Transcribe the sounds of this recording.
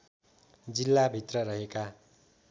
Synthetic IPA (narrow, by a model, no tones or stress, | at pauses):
d͡zilːabʱit̪rʌrʌɦeka